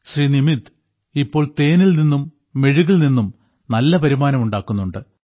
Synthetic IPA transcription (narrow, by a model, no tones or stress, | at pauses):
ɕriːnimit̪ː | ipːo̞ːɭt̪e̞ːnilninːumː | e̞ɻuɣilninːum | nɐlːɐpɐɾimaːnɐmuɳɖaːkːunːuɳɖɨ